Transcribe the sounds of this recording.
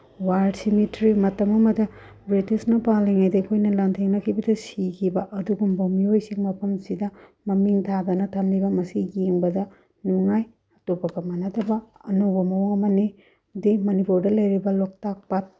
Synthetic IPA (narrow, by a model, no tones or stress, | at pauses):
waɾdsimitɾimɐtɐmɐmɐdɐ | bɾitisnɐpaliŋajdɐkʰojnɐlantʰeŋnɐkʰibɐdɐsikʰibɐʔɐduɡumbɐmiojsiŋmɐpʰɐmsidɐmɐmiŋtʰadɐnɐtʰɐmlibɐmɐsijiŋbɐdɐ | nuŋaj | ɐtopɐbɐmɐnɐdɐbɐːnobɐmɐwŋɐmɐni | dimɐnipuɾdɐlɐjɾibɐlok̚tak̚pat̚